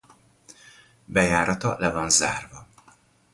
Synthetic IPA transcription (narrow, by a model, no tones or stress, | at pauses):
bɛjaːɾɒt̪ɒlɛvɒnza̰ːrvɒ